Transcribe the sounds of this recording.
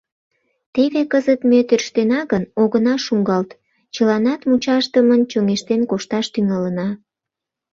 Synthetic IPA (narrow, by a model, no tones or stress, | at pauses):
t̪eβekəzət̪met̪erʃt̪enɑɣənoɣənɑʃuŋɡɑlt̪ | t͡ɕəlɑnɑt̪mut͡ɕɑʃt̪əmənt͡ɕoŋeʃt̪enkoʃt̪ɑʃt̪yŋɑlənɑ